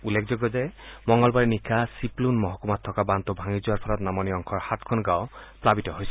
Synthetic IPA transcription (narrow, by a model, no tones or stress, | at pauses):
ulːekʰzɔɡɔtɛmɔŋɡɔlbaɹinikʰːasiplunmɔɦɔkumatʰːɔkabantʊbʱaŋizʊwaɹpʰɔlɔtnamɔniɔŋkʰɔɹhatkʰɔnɡaʊplabitɔɦojsɛ̥